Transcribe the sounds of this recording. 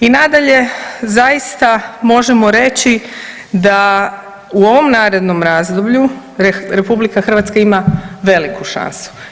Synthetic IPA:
inad̪aʎe̞zajist̪amo̞ʒemo̞ɾe̞t͡ɕi | d̪a | uo̞ʋo̞mnaːɾe̞d̪no̞mɾaːzd̪obʎu | ɾe̞publikaxɾr̩ʋat̪skaimaʋe̞likʰuʃa̰nsu̥

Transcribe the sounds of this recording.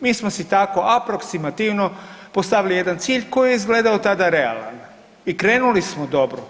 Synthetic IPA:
miːsmosit̪ako̞ʔapɾo̞ksimat̪iʋno̞post̪aʋilije̞d̪ant̪siːʎko̞jijeizɡle̞ːd̪aot̪ad̪aɾe̞a̰la̰n | ikɾe̞ːnulismod̪o̞bɾo

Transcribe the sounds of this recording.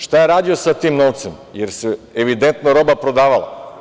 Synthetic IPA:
ʃt̪ajeɾaːd̪iosat̪iːmnoːʋt̪semjeɾseeʋid̪ent̪noɾo̞bapɾo̞d̪aːʋalˠa̰

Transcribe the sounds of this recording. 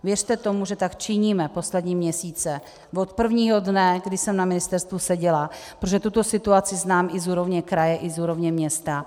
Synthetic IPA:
vjɛrt̪ɛt̪o̞muʒɛt̪akt͡ʃɪɲiːmɛpo̞slɛd̪ɲiːmɲɛsiːt͡sɛ | vot̪pr̩vɲiːɦo̞dnɛɡdɪsɛmnamɪnɪst̪ɛɾst̪vusɛɟɛlapɾoʒɛt̪ut̪o̞sɪt̪uat͡sɪznaːmɪzuːɾo̞vɲɛkɾajɛʔɪzuːɾo̞vɲɛmɲɛst̪a

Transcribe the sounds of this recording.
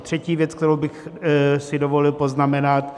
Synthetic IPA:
t̪r̝̥ɛciːvjɛt͡sk̚t̪ɛɾowbɪxsɪdo̞vo̞lɪlpo̞znamɛnat̪

